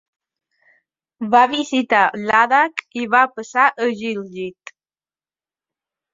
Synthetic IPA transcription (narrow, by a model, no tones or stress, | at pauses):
βaβisit̪alaðakiβapəsaʔəʒilʒit̪